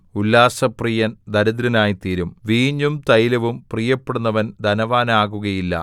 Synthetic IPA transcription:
ulːaːsɐprijɐnd̪ɐɾɐðɾɐnaːjit̪iːɾumʋiːɲːumt̪ɐjilɐʋumprijɐpːeɽunːɐʋɐnd̪ʱɐnɐʋaːnaːɣuɣɐjilːɐ̰

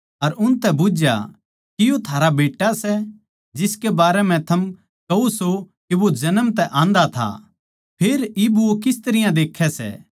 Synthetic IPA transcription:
ɐɾʊnt̪ɛbʊd͡ʒja̰ | kɪjot̪ʰaːɾabeːʈːasɛ | d͡ʒɪskebaːɾɛmɛ̃t̪ʰɐm | kɐuso | kiʋod͡ʒɐnəmt̪ɛʔãːnd̪at̪ʰa̰ | pʰeːɾɪbuokɪst̪ɐɾɪjãd̪eːkʰːɛsɛ̰ː

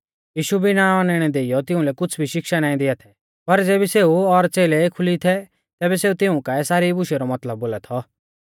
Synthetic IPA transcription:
jiːʃubʱinãːɔnɛɽ̃ɛd̪eːɪjɔt̪ɪ̃ũlɛkʊt͡sʰbʱiʃɪkʃanãːĩd̪ɪat̪ʰɛ | pɐɾd͡zeːbiseːuɔɾt͡seːlekʰʊlit̪ʰɛ | t̪ɛːbɛseːut̪ɪũkaːɛsaːɾibʊʃɛɾɔmɐt̪ləb̚ːoːlat̪ʰɔ

